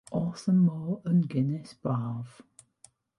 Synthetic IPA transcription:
ʔɔsənːɔːənɡɪnɪsb̥aːv̥

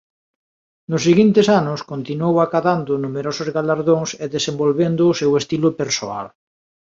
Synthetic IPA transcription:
nʊsːiɣint̪ɪsanʊskont̪inwowakaðand̪ʊnumeɾosʊzɣalaɾðoŋseðesembolβend̪ʊːsewest̪ilʊpeɾsoa̰l

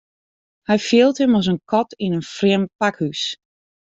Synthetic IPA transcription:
hɛjfɪəlˠtəmɔsənkʰɔtʰinənfrɪəmpakhys

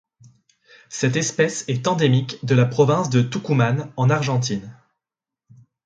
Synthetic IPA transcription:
sɛt̪ɛspɛsɛt̪ɑ̃d̪emikd̪əlapχɔvɛ̃sd̪ət̪ukumanɑ̃naʁʒɑ̃t̪̬in

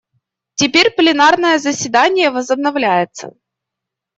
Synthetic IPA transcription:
tʲɪpʲeɾʲplʲɪnarnəjəzəsʲvʲɪd̪anʲɪjəvəzəbnɐvlʲæjɪt̪sə̰

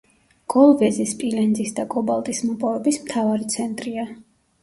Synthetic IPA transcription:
ɡ̥ɔlˠvɛzispʼilɛnd̪zisd̪akʼɔbalˠt̪ʼismɔpʼɔvɛbismt̪ʰavaɾit̪sʰɛnt̪ʼɾia

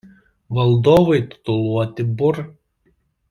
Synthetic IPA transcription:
ʋɐlˠd̪oːʋɐɪt̪ʲʊ̥t̪ʊlˠuɔt̪ʲɪbʊɾ

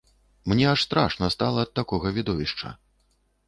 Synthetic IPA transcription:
mnʲɛaʂst̪ɾa̰ʂnɐst̪alˠɐːt̪ːakɔɣɐvʲid̪ɔvʲiʂt͡ʂɐ̰

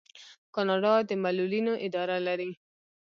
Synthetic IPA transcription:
kɑnɑɖɑd̪əmalulinoʔɪd̪ɑɾalaɾi

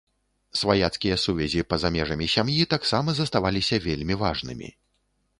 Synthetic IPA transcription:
svajat̪skʲijɐsuvʲɛzʲipɐzamʲɛʐɐmʲisʲamjit̪aksamɐzɐst̪avalʲisʲɐvʲelʲmʲivaʐnɨ̰mʲḭ

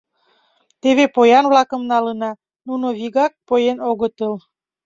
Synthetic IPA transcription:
t̪eβepojɑnvlɑkəmnɑlənɑ | nunoβiɣɑk̚pojenoɣət̪əl

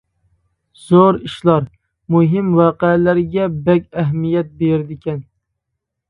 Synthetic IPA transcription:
z̥oɾiʃlˠɑɾ | muɦɪmwɑqɛlæɾɡʲɛbɛkʲæɦmijɛt̪̚beɾd̪ɪkʲʰɛn

